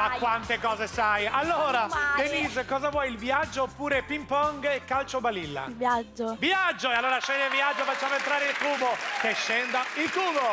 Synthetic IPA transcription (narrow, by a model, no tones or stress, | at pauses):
akːwant̪ekɔːzesajalːoːɾat̪enizkɔːzavwɔjilviad͡ʒːopːuːɾepimpɔŋɡekːalt͡ʃobalilːa̰vjad͡ʒovjad͡ʒːoealːoːɾaʃɛnd̪elviad͡ʒːofat͡ʃːaːment̪ɾaːɾeilkuːbokeʃːɛnd̪ailkuːbo